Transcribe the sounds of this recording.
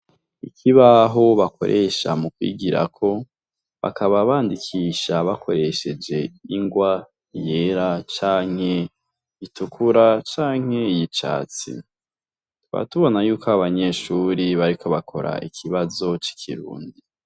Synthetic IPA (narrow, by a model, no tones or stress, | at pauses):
ikʰiβaɦo̞βako̞̰ɾʔe̞ʃa̰mukwḭːɡiɾa̰kʰo̞ | βa̰kʰaβaβaːndikʰiʃaβakʰo̞ɾe̞ʃe̞d͡ʒe̞iŋɡwa | je̞ɾat͡ʃaːŋ̥he̞ | itukʰuɾat͡ʃaːŋ̥he̞ijit͡ʃa̰ːt͡sḭ | tuβa̰tuβo̞najuːkaaβaɲe̞ʃuɾiβaɾiko̞βakʰo̞ɾa̰ikʰiβazo̞t͡ʃi̥kʰiɾṵːndi